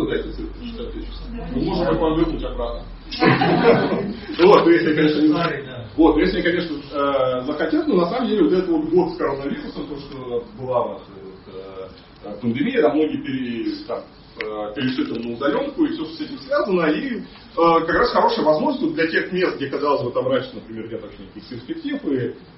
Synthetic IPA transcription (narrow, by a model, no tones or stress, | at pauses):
d̪aet̪ʲɪsɛ | t͡ɕɪ̥sʲat̪ːʲet͡ɕɪsɐvɨmo̞ʐnt̪abɐvɨpnʊtʲɐbɾat̪̚nə | vot̪nojesʲlɪjakɐnʲeʂnənʲɪzna | vo̞t̪nojesʲlʲɪjakɐnʲe̞ʂnəzəxɐtʲet̪t̪ʲnonɐsaməmdʲelʲɪvot̪ɛt̪əvot̪ɡo̞t̪skɐɾo̞nːəvʲiɾʊsəmt̪oʂt̪obɨlˠanaʂəot̪ə | əpənd̪ɨmʲijəd̪amno̞ɡʲɪjəpʲɪɾʲɪt̪am | əpʲɪɾʲɪʂɨt̪əmnəʊd̪ɐlʲo̞mkʊifsʲoʂt̪osɛtʲɪmsvʲazənəi | əkɐkɾasxɐɾo̞ʂɨjəvɐzmo̞ʐnəsʲt̪ʲvod̪lʲɐtʲe̞xmʲe̞st̪̚ɡ̚dʲekɐzalˠəs̬ʲboɐt̪ɐbɾat͡ɕɪ̥nəpɾʲɪmʲe̞rnʲet̪vɐɕʲenʲekkʲɪsʲpʲɪrsʲpʲɪk̚tʲifɨ